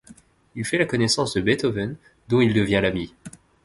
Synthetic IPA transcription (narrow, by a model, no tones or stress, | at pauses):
ilfɛlakɔnɛsɑ̃sd̪əbɛt̪ɔvɛn | d̪ɔ̃ild̪əvjɛ̃lami